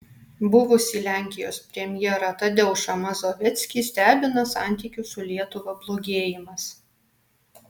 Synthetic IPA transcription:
bʊʋʊsʲilʲæˑŋʲkʲɪjo̰ːspʲɾʲɛmʲjɛɾɐt̪ɐd̪ʲɛʊʃɐmɐzoːʋʲɛt̪sʲkʲiːsʲt̪ʲæːbʲɪnɐsɑ̰ˑnʲt̪ʲiːkʲʊsʊlʲiɛt̪ʊʋɐblˠoːɡʲeːjɪmɐs

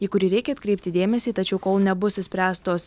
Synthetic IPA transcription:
iːkʊɾʲiːɾʲɛɪkʲɛɐt̪kɾʲɛɪp̚ʲt̪ʲɪd̪ʲeːmʲɛsʲiːt̪ɐt͡ʃʲɛʊkoːlˠnʲɛbʊsɪsʲpʲɾʲæːst̪oːs

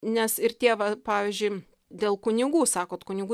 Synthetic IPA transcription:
nʲɛsɪɾt̪ʲeɛʋɐpɑːʋʲiːzʲd͡ʒʲʊɪ | d̪ʲeːlˠkʊnʲɪɡuːsɑːkoːt̪kʊnʲɪɡu

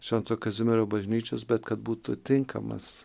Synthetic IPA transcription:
ʃʲɛnt̪oːkɐzʲɪmʲɛɾʲoːbɐʒʲnʲiːt͡ʃʲo̰ːsbʲɛt̪kɐt̪̚buːt̪ʊt̪ʲɪŋkʰɐ̰mɐ̰s

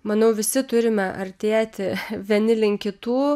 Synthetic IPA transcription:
mɐnɐʊʋʲɪsʲɪt̪ʊɾʲɪmʲɛʔɐɾʲt̪ʲeːt̪ʲɪʋʲiɛnʲɪlʲɪŋʲkʲɪt̪uː

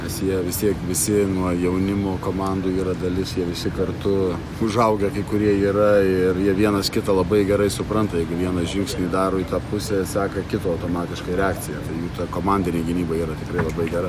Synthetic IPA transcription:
nʲɛsjiɛʋʲɪst̪ʲiɛkʋʲɪsʲɪnuɔjɛʊnʲɪmoːkoːmɑnd̪uːiːɾɐd̪ɐlʲɪsjiɛʋʲɪsʲɪkɐrt̪ʊ | ʊʒɐʊɡʲɛkɐɪkʊɾʲiɛiːɾɐɪrjiɛʋʲiɛnɐskʲɪt̪ɐlˠɐbɐɪɡʲɛɾɐɪsʊpɾɐnt̪ɐjɛɪɡʊʋʲiɛnɐsʒʲɪŋksʲnʲiːd̪ɑːɾoːit̪ɑːpʊsʲɛsʲæːkɐkʲɪt̪oːɐʊt̪oːmɑːt̪ʲɪʃkɐɪɾʲɛɑːkt͡s̪ʲɪjɛt̪ɐɪjuːt̪ɐkoːmɐnʲd̪ʲɪnʲeɪɡʲɪnʲiːbɐiːɾɐt̪ʲɪkɾɐɪlˠɐbɐɪɡʲɛɾɐ

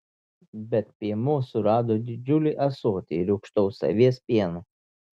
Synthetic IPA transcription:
bʲɛt̪̚pʲiɛmʊsʊɾɑːd̪oːd̪ʲɪd͡ʒʲʊlʲiʔɐsoːt̪ʲiɾʲɛʊkʃt̪ɔʊsɐ̰ʋʲiɛspʲiɛnu

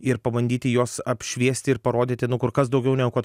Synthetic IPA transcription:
ɪɾpɐʋɐnʲd̪ʲiːt̪ʲɪjoːsɐpʲʃʲʋʲiɛsʲt̪ʲɪɪɾpɐɾoːd̪ʲɪt̪ʲenʊkʊɾkɐsd̪ɐʊɡʲɛʊnʲɛkot

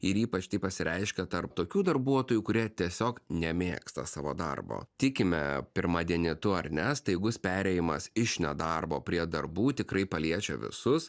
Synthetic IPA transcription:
ɪɾiːpɐt͡ʃt̪ɐɪpɐsʲɪɾʲɛɪʃʲkʲɛt̪ɐɾpt̪oːkʲuːd̪ɐɾbuɔt̪oːjuːkʊɾʲiɛt̪ʲiɛsʲoːknʲɛmʲḛːkst̪ɐsɑːʋo̰ːd̪ɐ̰rbo̰ːt̪ʲɪkʲɪmʲɛ̰pʲɪɾmɑːd̪ʲiɛnʲɪt̪ʊɐɾnʲɛst̪ɐɪjɪɡʊspʲæːɾʲɛjɪmɐsɪʃnʲɛd̪ɐrboːpʲɾʲiɛd̪ɐɾbuːt̪ʲɪkɾɐɪpɐlʲiɛt͡ʃʲɛ̰ʋʲɪ̰sʊs

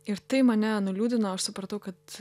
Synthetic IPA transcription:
ɪɾt̪ɐɪmɐnʲɛnʊlʲuːd̪ʲɪnɐɐʃsʊpɾɐt̪ɐʊkɐt̪

